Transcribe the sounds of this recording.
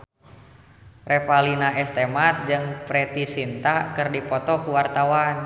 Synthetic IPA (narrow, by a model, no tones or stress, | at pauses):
rɛfalinaɛst̪ɛmat̪̚d͡ʒɨŋpɾɛt̪isint̪akɨrdipɔt̪ɔkuwart̪awan